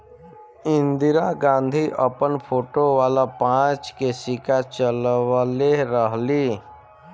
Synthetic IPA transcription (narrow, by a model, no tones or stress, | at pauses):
ɪ̃nd̪ɪɾaɡãːnd̪ʱiʔəpənpʰoːʈoʋaːlapãːt͡ʃkesɪkat͡ʃəlʋleɾəɦliː